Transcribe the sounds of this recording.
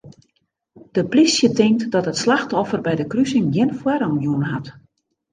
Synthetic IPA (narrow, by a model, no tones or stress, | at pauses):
d̥əplisjətɪŋktdɔthətslaxtɔfərbɛjdəkrysɪŋjɪnfwɛɾənjuənɦat